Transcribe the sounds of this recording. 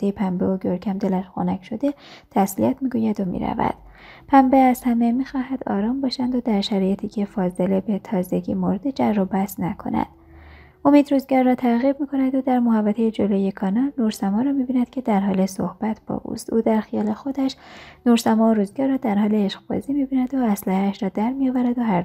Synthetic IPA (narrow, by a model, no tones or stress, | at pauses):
ejepʰæmbeoɟoɾcʰæmd̪e̞læʃxonæcʰʃo̞d̪et̪ʰæsliæt̪ʰmiːɡujæd̪omḭɾæ̰væ̰d̪̥ | pʰæmbeæzhæmemiːxɒːɦæd̪ɒ̰ːɾɒːmbɒːʃænd̪od̪æɾʃæɾɒːjet̪ʰiːcʰe̞fɒːze̞le̞be̞t̪ʰɒːze̞ɟḭːmoɾd̪ed͡ʒærːobæsnækʰo̞̰næ̰d̪̥ | ʔo̞miːd̪ɾuːzɡɒːɾːɒːt̪ʰæɣib̚miːkʰo̞næd̪od̪æɾmohævːæt̪ʰejed͡ʒo̞loːjekʰɒːnɒlnoɾsæmɒːɾɒːmibiːnæd̪̥cʰe̞d̪æɾɦɒːle̞sohb̥æt̪ʰb̥ɒ̰ʔṵst̪ʔuːd̪æɾxijɒːle̞xo̞d̪æʃnoɾsæmɒːoɾuːzɡɒɾːɒːd̪æɾhɒːleeʃɡb̥ɒ̰ːziːmibiːnæd̪oæslæhæːʃɾɒːd̪æɾmijɒːvæɾæd̪oɦæɾ